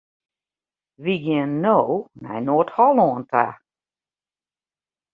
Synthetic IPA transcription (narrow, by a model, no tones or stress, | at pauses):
ʋiɡɪənːownɛ̰jnoəthɔlˠɔəntʰa̰